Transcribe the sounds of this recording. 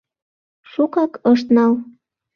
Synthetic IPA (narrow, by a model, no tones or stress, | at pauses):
ʃukɑkəʃt̪nɑl